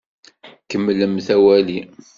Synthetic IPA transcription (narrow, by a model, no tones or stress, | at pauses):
kəmːləmθæwæli